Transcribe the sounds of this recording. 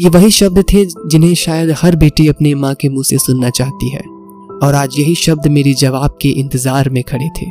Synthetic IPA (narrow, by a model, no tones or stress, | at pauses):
jeːʋɐɦiʃɐb̚d̪t̪ʰed͡ʒɪnɦẽʃaːjəd̪hɐɾbeːʈiɐpnemãkemũsesʊnːat͡ʃaːɦt̪iɦɛ̰ː | ɔːɾaːd͡ʒjɐɦiʃɐb̚d̪meːɾid͡ʒɐʋaːb̚keʔɪ̃nt̪ɪzaːɾmẽkʰɐɽet̪ʰḛː